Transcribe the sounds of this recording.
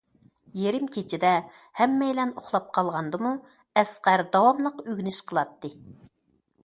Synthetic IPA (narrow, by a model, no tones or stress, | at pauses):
jeɾɪmkʲʰet͡ʃʰɪd̪ɛ | hɛmːɛjlɛnoχlˠɑp̚qʰɑlˠʁɑnd̪ɨmu | ɛsqæɾd̪ɑwɑmlˠəqøɡʲnɪʃqʰəlˠɑt̪ːɨ